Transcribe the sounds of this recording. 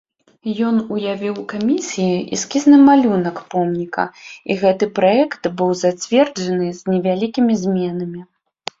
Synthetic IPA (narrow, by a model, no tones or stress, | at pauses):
jɔnujavʲiwkamʲisʲijiʔḭskʲiznɨmalʲunɐkpɔmnʲikɐ̰ḭɣɛt̪ɨpɾaɛkt̪bɨwzat͡sʲvʲɛrd͡ʐɐnɨzʲnʲɛvʲalʲikʲimʲizʲmʲɛnɐmʲi